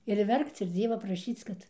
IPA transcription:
ɪr ˈʋʲɛrkt͡s ɪr ˈd͡zʲiɛʋɐ prɐˈʃʲiːt͡s kɐt

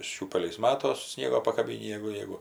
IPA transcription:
ˈʃʲuːpʲɛlʲɛɪs ˈmɑːtoːs ˈsʲnʲiɛɡoː pɐkɐˈbʲiːnʲiː ˈjæːɡʊ ˈjɛɪɡʊ

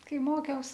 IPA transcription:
ˈkɐɪ ˈmoːkʲɛʊs

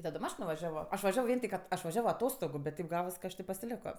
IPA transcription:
tɐˈdoːm ˈɐʃ nʊʋɐˈʒʲæːʋoː ˈɐʃ ʋɐˈʒʲæːʋoː ˈʋʲiɛn tʲɪk ɐt ˈɐʃ ʋɐˈʒʲæːʋoː ɐˈtoːstoːɡʊ bʲɛt ˈtʲɛɪp ˈɡɑːʋɐs kɐ ˈɐʃ tʲeː pɐsʲɪˈlʲæːkoː

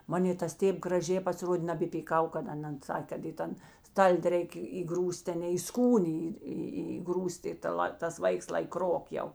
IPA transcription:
ˈmɑːnʲeː tɐs ˈtʲeːp ɡrɐˈʒʲeː pɐsʲɪˈroːdʲeː nɐbʲɛpʲiːˈkɐʊ kɐt ɐˈnɐn ˈsɑːkʲeː kɐt iː ˈtɐn ˈstɐlʲdʲɪ ˈrʲɛɪkʲeː iːˈɡruːsʲtʲ tʲɛˈnʲɛɪ iː ˈskuːnʲeː iː ˈiː iːˈɡruːsʲtʲ ɪ tɐ ˈlˠɐ tɐs ˈʋɐɪks lˠɐɪ ˈkroːk jɛʊ

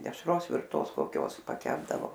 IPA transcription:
dʲɛʃˈroːs ʋʲɪrˈtoːs koːˈkʲoːs pɐˈkʲæːbdɐʋoː

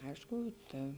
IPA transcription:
ˈɐɪʃkʊ ˈtɐ

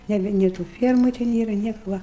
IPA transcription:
ˈnʲæːbʲɪ nʲeː tuː ˈfʲiɛrmʊ tʲɛ ˈnʲeːrɐ ˈnʲiɛkʊ ʋɐ

